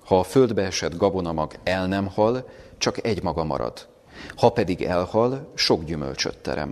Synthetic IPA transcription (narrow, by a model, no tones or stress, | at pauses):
hɒːfø̞ld̪bɛɛʃɛd̪ɡɒbo̞nɒmɒɡɛlnɛmhɒlt͡ʃɒkɛɟmɒɡɒmɒ̰ɾɒ̰d̪̥ | hɒpɛd̪iɡɛlhɒlʃo̞ɡɟymø̰lt͡ʃø̰t̪ːɛ̰ɾɛ̰m